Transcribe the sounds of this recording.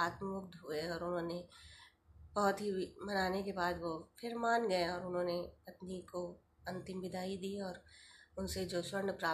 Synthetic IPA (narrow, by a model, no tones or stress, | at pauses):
aːt̪mmʊkt̪ɦʊeɔːɾʊnɦõːne | bɐɦʊt̪ɦimɐnaːnekebaːd̪ʋoːpʰɪɾmaːnɡɐẽɔːɾʊnɦõːnepɐt̪niko | ɐ̃nt̪ɪmʋɪd̪ʱaːid̪iːɔːɾʊnsed͡ʒoːswɐ̃ɳɖpɾaː